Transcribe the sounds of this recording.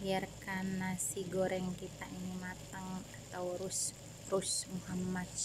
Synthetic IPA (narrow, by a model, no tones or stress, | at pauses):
jarkanasiɡɔɾɛŋkit̪aʔinimat̪əŋat̪awɾus | rusmuhamːat̪